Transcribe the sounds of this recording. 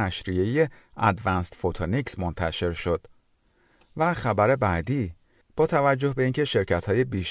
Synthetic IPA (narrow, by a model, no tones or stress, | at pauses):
æʃɾie̞je̞æd̪vænst̪fot̪ʰoniksmo̞nt̪ʰæʃe̞ɾʃo̞d̪̥ | væxæbæɾe̞bæːd̪iː | b̥ɒːt̪ʰævæd͡ʒːo̞hbe̞iːncʰe̞ʃe̞ɾcʰæt̪ʰhɒːje̞biːʃ